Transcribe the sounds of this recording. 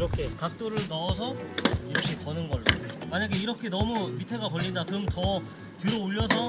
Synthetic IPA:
ɾʌkʰekak̚t͈oɾɯɭnaʌsʰʌiɕʰipʌnɯnɡʌɭemaɲaɡe̞iɾʌkʰe̞nʌmumitʰe̞ɡakʌʎːindakɯmtʌ | tɯɾʌoʎːʌsʰʌ

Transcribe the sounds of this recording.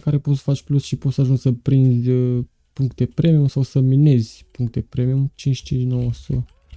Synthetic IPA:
kaɾe̞pot̪sə̥fat͡ʃʲplusʃipo̞t̪səaʒunʲsəpɾinzʲə | puŋk̚t̪e̞pɾe̞miumsawsəmine̞zʲpuŋk̚t̪e̞pɾe̞mijumt͡ʃint͡ʃʲt͡ʃint͡ʃnowəsə

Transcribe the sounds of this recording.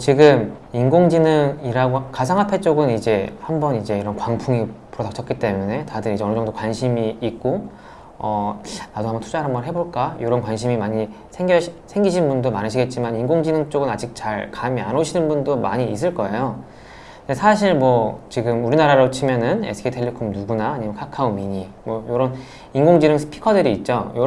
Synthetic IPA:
t͡ɕiɡɯminɡoŋd͡ʑinɯŋiɾaɡokasʰaŋɦapʰe̞t͡ɕ͈oɡɯnid͡ʑe̞hambʌnid͡ʑe̞iɾʌnkwaŋpʰuŋipuɾʌdakt͡ɕʰʌk͈it͈e̞mune̞tadɯɾid͡ʑʌnd͡ʑʌŋdokwanɕʰimiik̚k͈o | ʌnadoɦambʌntʰud͡ʑaɾambʌnɦe̞boɭk͈ajoɾʌnkwanɕʰimimaɲi | sʰeŋɡjʌsʰeŋɡiɕʰinbundomanɯɕʰiɡe̞t̚t͡ɕ͈imaniŋɡoŋd͡ʑinɯŋt͡ɕ͈oɡɯnad͡ʑik̚t͡ɕaɭkamia̰noɕʰinɯnbundoma̰ɲiːs̬͈ɯɭk͈ʌe̞jo | ndesʰaɕ̬ʰiɭmwʌt͡ɕiɡɯmuɾinaɾaɾot͡ɕʰimjʌnɯnḛsʰɯ̥kʰetʰe̞ʎːikʰomnuɡunaːɲimʌnkʰakʰaomiɲimwʌjoɾʌn | inɡoŋd͡ʑinɯŋsʰpʰi̥kʰʌdɯɾiːt̚t͡ɕ͈ojo

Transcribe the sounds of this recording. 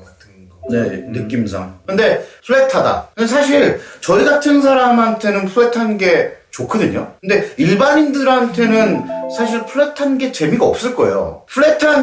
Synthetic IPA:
ne̞̰nɯk͈ims̬ʰa̰ŋkɯnde̞pʰuɭːe̞tʰada̰kɯndes̬ʰaɕ̬ʰiɭt͡ɕʌiɡatʰɯns̬ʰaɾamɦantʰe̞nɯnpʰɯɭːetʰanɡe̞t͡ɕokʰɯdɯɲo̰kɯnde̞iɭbaɲindɯɾɦantʰe̞nɯnsʰaɕ̬ʰiɭpʰuɭːetʰanɡe̞t͡ɕe̞miɡaʌp̚s͈ɯɭk͈ʌḛjo̰pʰuɭe̞tʰan

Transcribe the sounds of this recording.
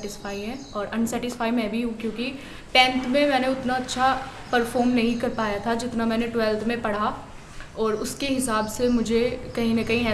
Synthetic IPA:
ʈɪsfaːiɦɛ̃ːɔːɾɐ̃nsɛːʈɪsfaːimɛ̃ːbʱiɦũkjõːki | pɛ̃ːnt̪ʰmẽmɛːneʊt̪naɐtːʃʰa | pɐɾfɔːɾmnɐɦĩkɐɾpaːjat̪ʰad͡ʒɪt̪namɛ̃ːneʈwɛːlt̪ʰmẽpɐɽ̤a | ɔːɾʊskeɦɪsaːbsemʊd͡ʒʱekɐɦĩnɐkɐɦĩɛː

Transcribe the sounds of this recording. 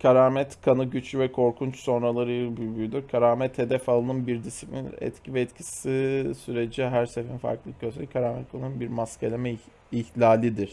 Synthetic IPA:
kʰaɾaːmɛt̪kʰanɯɟyt͡ʃlʲyvɛkʰo̞ɾkʰunt͡ʃso̞nɾalˠaɾɯjbyjbyd̪ʲiɾkʰaɾaːmɛt̪ʰːe̞d̪ɛfalˠɯnɯnbiɾd̪isi̥plʲinɛ̰t̪cʰivɛːt̪cʰi̥sisyɾe̞d͡ʒiɦæɾse̞finfa̰ɾklˠɯɟøzmɛckʰaɾaːmɛt̪̚kʰanˠɯnunbiɾmascʰelʲemɛ | içlʲaːlʲid̪iɾ̥

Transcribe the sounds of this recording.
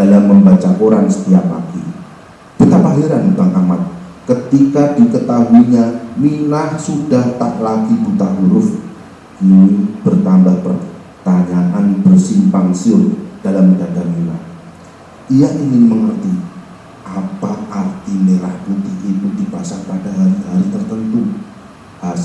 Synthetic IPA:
d̥alamːəmbat͡ʃaʔoɾaŋsə̥t̪iap̚la̰ɡi | b̥ut̪apaɦiɾanut̪aŋʔamat̪̚kət̪ikadikət̪aɦuiɲamilahsudaht̪aʔlaɡibut̪aʔmuɾʊf | inib̥ərt̪ambahpər | t̪aɲaʔanbərsimpaŋsiʊrd̥alamdadarmila̰h | ʔijaʔiŋɪnməŋərt̪i | ʔapaart̪imeɾahput̪ɪhit̪udipasapadaɦaɾiɦaɾit̪ərt̪ənt̪u | ha

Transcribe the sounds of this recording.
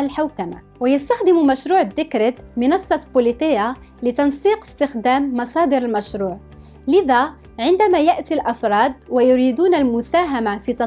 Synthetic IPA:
lħawkama̰ | wajast̪axd̪ɪmumæʃɾuːʕd̪ːɪkɾəd̪mənɑsˤːɑbʊlit̪ˤəjːa | lət̪ɑnsiːqə̥st̪əxd̪æːmːɑsˤɑːd̪əɾəlmæʃɾuːʕ | lɪða | ʕɪnd̪æmæjaʔt̪ilʔɑfɾˤɑːd̪̚wajʊɾid̪uːnælmʊsaːɦamafit̪ɑ

